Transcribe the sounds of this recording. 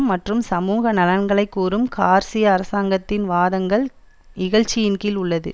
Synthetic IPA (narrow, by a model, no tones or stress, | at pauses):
mːɐʈrɯmsɐmuːɣɐnɐlɐnɡɐɭɐɪkːuːrɯmkaːɾsɪjɐːɾɐsaːŋɡɐt̪ːɪnʋaːðɐŋɡɐɭ | nɪɣɐɻt͡ʃːɪjɪnkɪlʊɭːɐðɯ̰